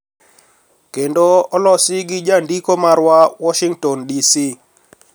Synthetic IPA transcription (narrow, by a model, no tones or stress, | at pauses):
kendoɔlɔsɪɡɪd͡ʒandikomaɾwawɔʃiŋɡtɔndisi